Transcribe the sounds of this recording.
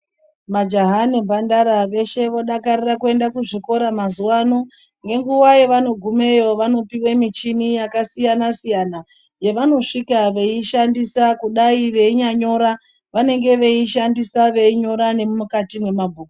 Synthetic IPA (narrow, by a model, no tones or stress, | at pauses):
mad͡ʒaɦanibʱandaɾaʋe̞ʃe̞ʋo̞ɗakarirakue̞ndakuʐiko̞ɾamazuwano̞ | ŋɡe̞ŋɡuwajeʋano̞ɡʱume̞jo̞ʋano̞piwemit͡ʃinijakasijanasijana | je̞ʋano̞ʂikaʋe̞iʃandisakuɗaiʋe̞iɲaɲo̞ɾa | ʋane̞ŋɡe̞ʋeiʃandisaʋe̞iɲo̞ɾane̞mumukatimwe̞mabʱuːku